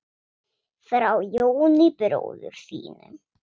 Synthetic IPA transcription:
θɾawjoːwnipɪɾo̰wðʏɾ̥θḭːnʏ

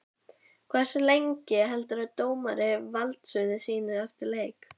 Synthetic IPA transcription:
kʰvɛr̥sʏlejɲcɪɦɛlt̪aɾat̪oːwmaɾɪvalt̪sʏðɪsiːnɪɛft̪ɪɾleːjk

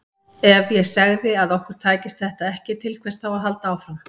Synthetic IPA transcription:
ɛvjɛsaɣðɪaðɔhkʏɾ̥t̪ʰaːcɪst̪θɛht̪aɛhcɪt̪ʰɪlkʰvɛst̪̚awaɦal̪t̪aaːwfɾam

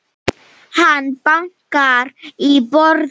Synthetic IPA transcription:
hanpaŋkaɾibɔɾ

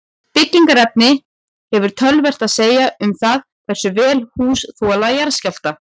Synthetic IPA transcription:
pɪcːiŋkaɾɛp̚nɪ | hɛvʏɾ̥t̪ʰœlvɛr̥t̪aðseːjaʏmθað | θɛr̥sʏvɛːlhuːsθɔlajaɾscal̥t̪a

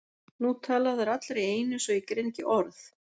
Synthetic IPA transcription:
nut̪ʰaːlaðɛɾat̪lɾejeːjnʏsɔikɾejncɪʔɔɾθ

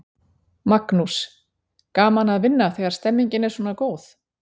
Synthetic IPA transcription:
maknus | kaːmanaðvɪnːaθɛːɣaɾ̥st̪ɛmːiɲcɪnɛɾ̥sɔːnakoːwθ

